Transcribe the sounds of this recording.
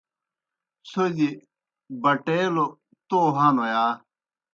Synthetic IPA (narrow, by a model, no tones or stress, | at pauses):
sod͡ʑi | bɐʈeːlo | t̪oɦanojaː